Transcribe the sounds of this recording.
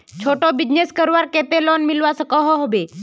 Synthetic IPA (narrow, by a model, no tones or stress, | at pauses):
t͡ʃʰoʈobid͡ʒneskəɾʋaɾket̪elɔnmilʋasəkɔɦɔɦobe